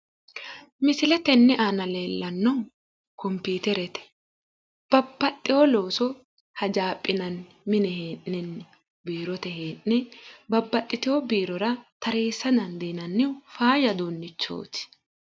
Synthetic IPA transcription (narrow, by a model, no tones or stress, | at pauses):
mɪsɪlɛt̪ɛnːɛʔaːnɐle̞ːlːɐnːɔ | kɔmpiːt̪ɛɾɛt̪ɛ̥ | b̥ɐbːɐt̪ʼːɪwɔlo̞ːsɔ | hɐd͡ʒaːpʼːɪnɐn | mɪnɛheːnːɛn | biːɾɔt̪ɛɦeːnːɛbɐbːɐt̪ʼːɪt̪ɪɔbiːɾɔɾɐt̪ɐɾe̞ːsːɐd̪ɐnd̪eːnɐnːɪfaːjɐd̪oːnːɪt͡ʃːo̰ːt̪ɪ̥